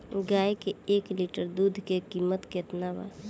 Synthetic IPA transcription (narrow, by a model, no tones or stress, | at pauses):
ɡaːjkeeːkliːʈəɾd̪uːd̪ʱkekiːmət̪ket̪naba̰ː